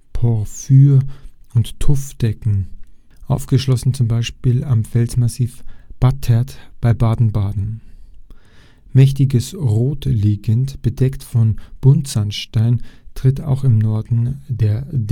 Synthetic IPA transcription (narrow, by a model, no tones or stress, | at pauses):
pʰɔɐfyːɐʊntʰːʊfd̥ɛkŋ̩ | ʔaʊfɡ̥əʃlɔsn̩t͡sʊmbaɪʃpiːlamfɛlzmasiːfb̥atʰːɛɐtb̥aɪbaːdn̩baːdn̩ | mɛçtɪɡəsʁoːtliːɡəntb̥ədɛktfɔnb̥ʊntz̥anʃtaɪntʁ̥ɪta̰ʊxɪmnɔɐdn̩deːɐd